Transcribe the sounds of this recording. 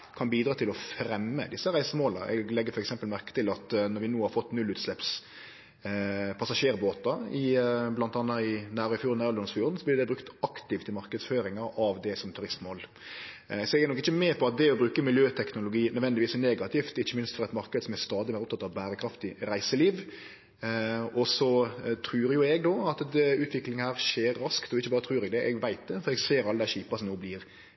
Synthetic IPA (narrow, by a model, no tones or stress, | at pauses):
kʰɑnbiːd̪ɾɑːt̪ʰɪlɔfɾɛmːə̰d̪ɪsːəɾæɪsəmoːlə̰ʔɛ̰ɡlɛɡːəɾfɔɾɛksɛmpəlmæɾkə̥t̪ɪlɑt̪nɔɾʋɪnuːhɑɾfɔt̪ːnʉlʉːt̪slɛps | pʰɑsɑʂeːɾboːt̪ɑɪblɑnt̪ɑnːɑɪnæːɾɔɪfjuːnæːɾɔlɔnsfjuːɾn̩sɔblɪɾd̪ɛbɾʉkt̪ɑkt̪ɪft̪ʰːɪlmɑɾkəd̪sføːɾɪŋɑɾɑʋd̪ɛsɔmt̪ʰʉɾɪst̪moːl | sɔɛɡɛɾnɔkːɪçːəmɛpʰɔɑt̪̚d̪ɛɔbɾʉːkəmɪljøːt̪ʰɛknʊlʊɡiːnœd̪ʋɛnd̪ɪʋiːsneːɡɑt̪ʰɪft̪ɪçːəmɪnst̪fɔɾɛt̪mɑɾkəd̪əsɔmæst̪ɑːd̪ɪmeːɾɔpt̪ʰɑt̪ːɑʋbæːɾəkʰɾɑft̪ɪɾæɪsəliːʋ | ɔsɔt̪ʰɾʉːɾjʊɛɡd̪oːɑt̪ʉːt̪ʰʋɪklɪŋəhæːɾʂeːɾːɑskt̪ɔɪçːəbɑːɾət̪ʰɾʉːɾɛɡd̪ɛʔɛɡʋæɪt̪̚d̪ɛfɔɾɛɡseːɾɑld̪æɕiːpɑsɔmnoːbliːɾ